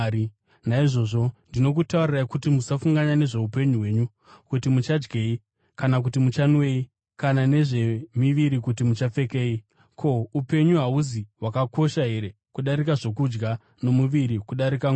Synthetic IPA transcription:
naiʐo̞ʐo̞ndino̞k̬utauriraikutimusafuŋɡaɲane̞ʐe̞upe̞ɲuɦwe̞ːɲu | kutimut͡ʃad͡ʒɡe̞i | kanak̬utimut͡ʃanwe̞i | kanane̞ʐe̞miʋiɾikutimut͡ʃap͡fe̞ke̞ːi | kʰo̞upe̞ɲuɦauziwakako̞ʃaɦe̞ɾe̞ | kuɗaɾikaʐo̞kud͡ʒɡa | no̞muʋiɾikuɗaɾikaŋ

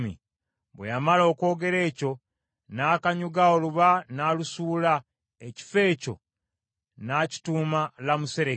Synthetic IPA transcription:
mḭ | βwejamalo̞ːko̞ːɡe̞ɾe̞ːco̞ | naːkaɲuɡaoluβanalusuːla | eci̥fe̞ːco̞̰ | naːci̥tuːmalamuse̞ɾe

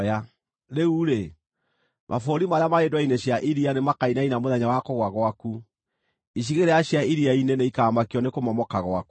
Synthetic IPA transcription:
a | ɾeuɾe | mʔa̰foɾimaɾeamaedwaineɕjaʔiɾianemakainainamoðɛɲawakoɣwaɣwaku | iɕ̬iɣeɾɛaɕjaiɾiaineneikaːmakiɔnekomɔmɔkaɣwaku

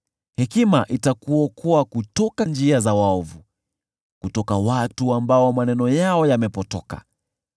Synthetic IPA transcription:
hɛkimaʔitakuɔkuwakutɔkand͡ʒiazawaɔvu | kutɔkawatuambaɔmanɛnɔjaɔjamɛpɔtɔka̰

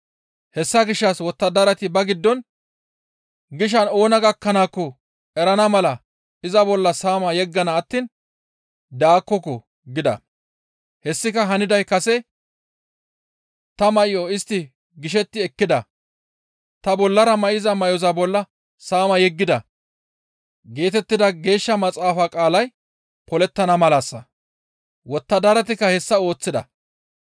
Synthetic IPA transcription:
hɛsːɐɡɪʃːɐswɔt̪ːɐd̪ɐɾɐt̪ɪbɐɡɪd̪ːɔn | ɡɪʃ̬ɐno̞ːnɐɡɐkːɐnaːkːɔ | ɛɾɐnɐmɐlɐ | ɪzɐbɔlːɐsaːmɐjɛɡːɐnɐːt̪ːiːn | d̪aːkːɔkɔ | ɡɪd̪ɐ̰ | hɛsːɪkɐɦɐnɪd̪ɐjkɐsɛ | t̪ɐmɐʔɪjoɪst̪ːɪ | ɡɪʃ̬ɛt̪ːɪɛkːɪd̪ɐ | t̪ɐbɔlːɐɾɐmɐʔɪzɐmɐjɔzɐbɔlːɐ | saːmɐjɛɡːɪd̪ɐ | ɡe̞ːt̪ɛt̪ːɪd̪ɐɡe̞ːʃːɐmɐt͡sʼaːfakʼaːlɐj | pɔlɛt̪ːɐnɐmɐlaːsːɐ | wɔt̪ːɐd̪ɐɾɐt̪ɪkːɐhɛsːɐo̞ːt͡sːɪd̪ɐ̰

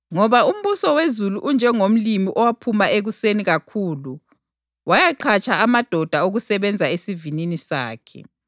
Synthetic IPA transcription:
ŋɔβaum̩βusɔwezuluʔund͡ʒʱɛŋom̩limiʔɔwapʰumaeɣuseniɣakʰuːlu | wajaǃʰat͡ʃʰʼaamad̥ʱɔd̥ʱaoɣusɛβɛnd͡zʱaesivininisa̰ːkʰɛ̰

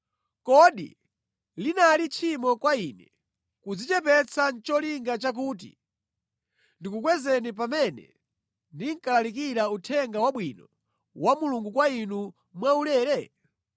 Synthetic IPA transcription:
kɔɗḭ | linalit͡ʃʰimɔkwainɛ | kud͡zit͡ʃɛpɛt͡sʰant͡ʃɔliŋɡat͡ʃak̬uːt̬ḭ | ndikukwɛzɛnip̬amɛnɛ̰ | ndiŋ̩kalalikiɾautʰɛŋɡawaɓwinɔ | wamuluŋɡukwainu | mwaulɛːɾɛ

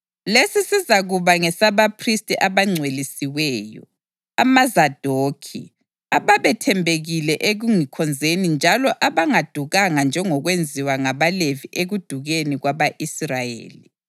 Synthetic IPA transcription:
lesisizaɣuβaŋɛsaβapʰristʼiʔaβaŋ͡ǀʱwelisiwɛːjɔ̰ | amazad̥ʱoːkʰḭ | aβaβɛtʰɛmbʱeɣilɛʔeɣuŋikʰɔnd͡zʱenind͡ʒʱalɔʔaβaŋad̥ʱuɣaŋand͡ʒʱɛŋɔɣwend͡zʱiwaŋaβaleviʔeɣud̥ʱuɣeniɣwaβaʔisrajḛːli

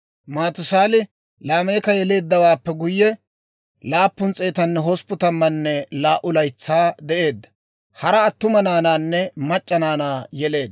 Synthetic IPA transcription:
maːt̪ʊsaːlɪ | laːmeːkɐjɛle̞ːd̪ːɐwaːpːɛɡʊjːɛ | laːpːʊnt͡sʼe̞ːt̪ɐnːɛɦɔspʊt̪ɐmːɐnːɛlaːʔʊlɐjt͡sːaːd̪ɛʔe̞ːd̪ːɐ̥ | hɐɾɐːt̪ːʊmɐnaːnaːnːɛmɐt͡ʃʼːɐnaːnaːjɛle̞ːd̪ːɐ

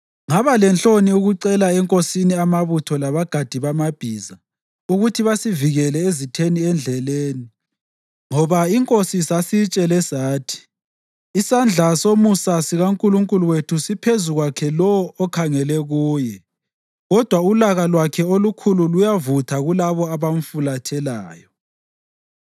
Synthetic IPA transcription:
ŋaβalɛnt͡ɬʼoniuɣuǀɛlaɛŋkʼosiniamaβutʰɔlaβaɡ̥ʱad̥ʱiβamab̥ʱiːza | uɣutʰiβasiviɣɛlɛezitʰeniɛnd͡ɮʱɛleːni | ŋɔβaiŋkʼosisasit͡ʃʼɛlɛsaːtʰi̥ | isand͡ɮʱasomusasiɣaŋkʼuluŋkʼuluwetʰusipʰezuɣwakʰɛlɔːkʰaŋɛlɛɣuːjɛ | ɣɔd̥ʱwaulaɣalwakʰɛolukʰululujavutʰaɣulaβɔaβam̩fulatʰɛlaːjɔ

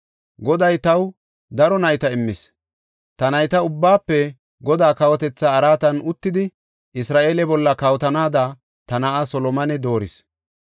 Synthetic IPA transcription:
ɡɔd̪ɐjt̪ɐw | d̪ɐɾɔnɐjt̪ɐɪmːɪs | t̪ɐnɐjt̪ɐʊbːaːpːɛ | ɡɔd̪aːkɐwɔt̪ɛt͡sːaːɾaːt̪ɐnʊt̪ːɪd̪ɪ | ʔɪsɾaːʔeːlɛbɔlːɐkɐwɔt̪ɐnaːd̪ɐ | t̪ɐnɐʔɐsɔlɔmɐnɛd̪o̞ːɾɪs

